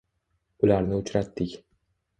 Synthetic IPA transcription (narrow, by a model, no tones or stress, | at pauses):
ʊlaɾnɪʊt͡ʃɾat̪ːɪkʲ